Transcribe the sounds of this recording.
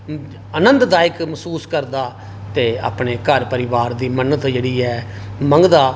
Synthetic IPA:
ənə̃nt̪d̪aːɪkməsuːskəɾd̪aː | t̪eːa̰ːpɳeːkəɾpəɾɪʋaːɾd̪iːmənət̪d͡ʒeːɽiːɛːməŋɡd̪aː

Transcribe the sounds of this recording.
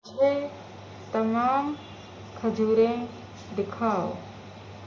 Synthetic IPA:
d͡ʒeː | t̪ɐmaːm | kʰɐd͡ʒʱuːɾẽ | d̪ɪkʰaː

